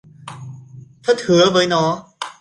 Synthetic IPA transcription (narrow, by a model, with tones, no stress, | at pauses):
t̪ʰaː˥˩t̪ʰɯ˨˩˦ɐvəː˨˦jnɔː˦˥